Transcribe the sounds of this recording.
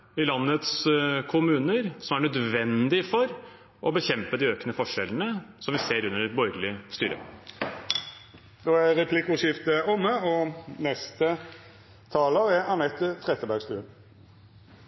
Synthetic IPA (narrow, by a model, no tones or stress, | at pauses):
ɪlɑnːət̪skʰʊmʉːnəɾsɔmæɳœd̪ʋɛnd̪ɪfɔɾ | ʔɔbəçɛmpəd̪ɪøːknəfɔʂɛlənəsɔmʋɪseːɾʉnːəɾbɔɾɡlɪst̪y̰ːɾə̰ | d̪oːæɾɛpʰlɪkʊʂɪft̪əɔmːəɔnɛst̪ə | t̪ʰɑːləɾɛɑnɛt̪ːət̪ʰɾɛt̪ːəbæɡst̪ʉːə